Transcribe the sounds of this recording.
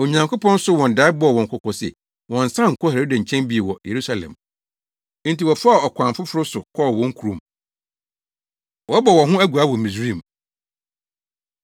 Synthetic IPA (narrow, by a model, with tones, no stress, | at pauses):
o˨ɲã˨ŋkʰʊ˦pɔ̃˦n̩˦sʊ˦wɔ̃˨nda˨˦ɪ˦bɔ˦˨wɔ̃˨ŋ̩˨kʰʊ˨kʰɔ˨sɛ̰˨ | wɔ̃˨n̩˨sã˦ŋ̩˨kʰɔ˦hɛ˨ɾe˦dã˨ɲ̩˨t͡ɕʰɛ̃˦nbi˦e˨wɔ˨jʔe˨ɾu˦sa˦lɛ̰̃˨m̃˦ | n˦ti˨wɔ˨fa˦˨ɔ˨kʰʷã˨nfʊ˦fʊ˦ɾʊ˦sʊ˨kʰɔ˦˨wɔ̃˦ŋ˦kʰu˨ɾũ˨m | wɔ˨˦bɔ˨wɔ̃˨ɦʊ̃˦æ˦ɡu˨a˨˦wɔ˨mĩ˨sɾĩ˦˨m˨